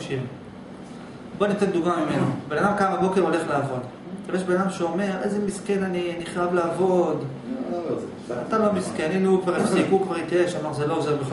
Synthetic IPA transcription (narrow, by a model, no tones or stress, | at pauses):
ʃiʁ | bonat̪end̪uɡmamimenobenad̪amkamabo̞ke̞ʁo̞le̞χleavo̞d̪ | ebeʃbenad̪amʃeo̞me̞ʁejzemiske̞naniniχavleːvo̞d̪ | at̪alo̞miskenilukvaʁefsikukvaʁit̪ieʃamaʁzelo̞ozeʁbeχ